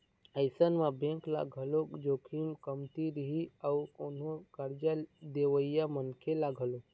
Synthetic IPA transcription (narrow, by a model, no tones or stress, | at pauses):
əɪsənmãbẽŋkla̰ɡʱəlokd͡ʒokʰimkəmt̪iɾəɦiakoːnɦokəɾd͡ʒad̪eʋəijamənkʰelaɡʱəlok